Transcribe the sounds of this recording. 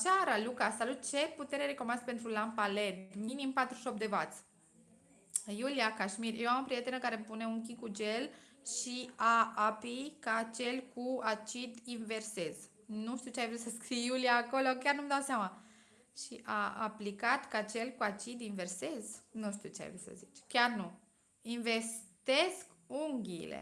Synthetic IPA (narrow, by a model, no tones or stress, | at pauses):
aʃaɾalukaːsalut̪̚t͡ʃe̞put̪e̞ɾeɾekomanspe̞nt̪ɾulampale̞t̪minimpat̪ɾuʃo̞p̚d̪e̞vat̪s | julijakaʃmirjewaməpɾijet̪enəkaɾepune̞unk̬ʲikud͡ʒe̞lʃiaapikat͡ʃe̞lkuat͡ʃid̪inve̞rse̞z̥ | nuʃt̪iut͡ʃeajvɾut̪səskɾijjulijaːko̞lok̬ʲjarnumd̪awseama | ʃiʔaaplikat̪kat͡ʃe̞lʲkuat͡ʃid̪inve̞rseznuʃt̪iut͡ʃea̰jvɾṵt̪sə̰zit͡ʃkʲarnu | inve̞st̪e̞sk | uŋɡʲḭlḛ